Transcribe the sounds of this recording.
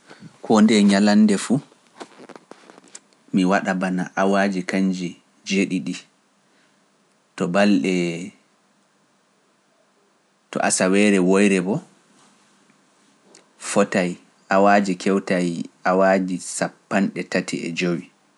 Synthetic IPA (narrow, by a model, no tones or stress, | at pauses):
kʰɔndɛɲalandɛfu | miwaɗabana̰ʔawaːd͡ʒikaɲd͡ʒi | d͡ʒeɗiɗi | tɔbalɗɛ | tɔ̰ʔasawɛɾɛwojɾɛbɔ | fɔtaj | ʔawaːd͡ʒikʰɛwtajawad͡ʒisapːanɗɛtatḭɛ̰d͡ʒowi